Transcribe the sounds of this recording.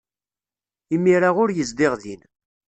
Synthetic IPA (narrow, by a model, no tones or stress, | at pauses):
imːiɾaʁʊɾjəzd̪ɪʁðin